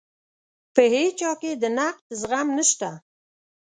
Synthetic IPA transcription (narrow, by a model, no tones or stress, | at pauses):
pəhet͡ʃɑked̪ənaq̚d̪əzɣamnəʃt̪a